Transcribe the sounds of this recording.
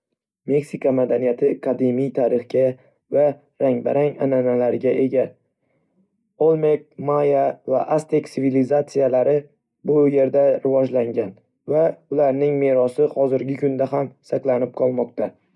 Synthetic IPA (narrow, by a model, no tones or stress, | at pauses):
me̞ksikʰamad̪anijat̪ʰɪkʰad̪imijt̪ʰaɾɪχɡʲa | va | ɾaŋbaɾaŋananalaɾɡʲaʔe̞ɡʲa | olˠme̞k̚majavaʔast̪ekʲsɪvilizat̪sijalaɾɪ | bʊje̞ɾd̪aɾɪvɒd͡ʒlaŋɡʲan | vaʊlaɾnɪŋme̞ɾɒsɪhɒzɪɾɡʲɪkʰʊnd̪aɦamsaklanɪp̚qʰɒlˠmɒqt̪ʰa